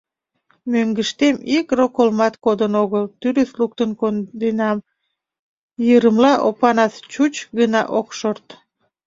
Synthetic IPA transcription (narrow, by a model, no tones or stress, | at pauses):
møŋɡəʃt̪emikrokolmɑt̪kod̪ənoɣəlt̪yɾøθluk̚t̪ənkond̪enɑm | jəɾəmlɑʔopɑnɑst͡ɕut͡ɕɡənɑ̰ʔokʃort̪